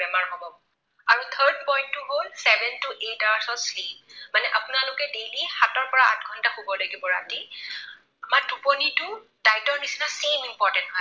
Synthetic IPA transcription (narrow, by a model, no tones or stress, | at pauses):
bɛmaɹɦobɔ | aɹut̪ʰəɹd̚pɔjntːʊɦolsɛbʱɛntuʔetawsɔslip̚manɛʔapʊnalʊkɛdejlihatɔɹpɔɹaa̰t̚ɡʱɔntahobɔlaɡibɔɹa̰ti | amaɹdupɔnitʊ | d̥ajtɔɹnisinasemimpɔɹtɛntɦo